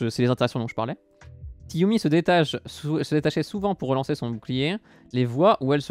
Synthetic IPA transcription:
əsɛlezɛ̃t̪eʁɛaksjɔ̃d̪ɔ̃ʒə̥paʁlɛ | sijumisəd̪et̪aʃɛsəd̪et̪aʃɛsuvɑ̃puʁːəlɑ̃sesɔ̃buklije | levwaʔuɛlsə

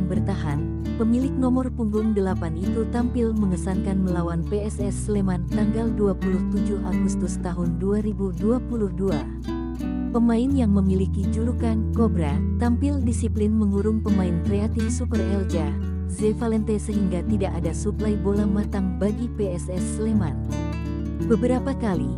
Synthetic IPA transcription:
ŋbərt̪aɦan | pəmilɪk̚nɔmɔrpuŋɡʊŋdəlapanit̪ut̪ampɪlməŋəsankanməlawanpeɛsɛslemant̪aŋɡalduapuluht̪ud͡ʒuhaɡust̪ʊst̪aɦʊnduaɾibuduapuluhdua | pəmaɪnjaŋməmilikid͡ʒuɾukankobɾat̪ampɪldisiplɪnməŋuɾʊŋpəmaɪnkɾeat̪ɪfsupərɛld͡ʒa | zefalɛnt̪ɛsəɦiŋɡat̪idaʔadasuplajbolahmat̪aŋbaɡipeɛsɛsleman | bəbəɾapakali

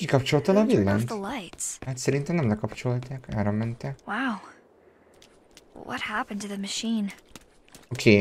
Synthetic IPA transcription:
kikɒp̚t͡ʃo̞lt̪ɛlɒvilːanðəlaɪtshat̪sɛɾint̪ɛnɛmlɛkɒpt͡ʃo̞lt̪aːka̰ːɾɒmɛnt̪ɛwaʊ | wʌ̰t̚hæpə̃ntʰɨðɨmɨʃĩn | okʰeː

